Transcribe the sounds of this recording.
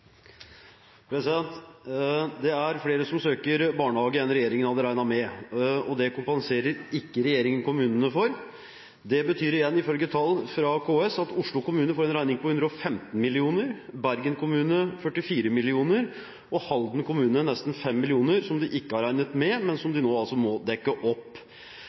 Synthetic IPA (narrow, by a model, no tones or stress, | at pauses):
pʰɾɛsɪd̪ɛnt̪ | d̪ɛæɾfleːɾəsɔmsøːkəɾbɑːɳəhɑːɡəɛnɾɛjeːɾɪŋənhɑd̪əɾæɪnɑmɛɔd̪ɛkʊmpɛnseːɾəɾɪkːəɾɛjeːɾɪŋənkʊmʉːnənəfɔɾ | d̪ɛbət̪ʰyːɾɪjɛnːɪfœlɡət̪ʰɑlːfɾɑkʰoːɛsɑt̪ʊʂɭʊkʊmʉːnəfoːɾɛnɾæɪnɪŋpɔhʉnd̪ɾəɔfɛmt̪n̩mɪlɪuːnəɾbæɾɡənkʰʊmʉːnəfœʈːɪfiːɾəmɪlɪuːnəɾ | ʔɔhɑld̪nkʰʊmʉːnənɛst̪n̩fɛmːɪlɪuːnəɾsɔmd̪ɪʔɪkːəæɾæɪnət̪mɛmɛnsɔmd̪ɪnoːɑlsɔmɔd̪ɛkːəʔɔpː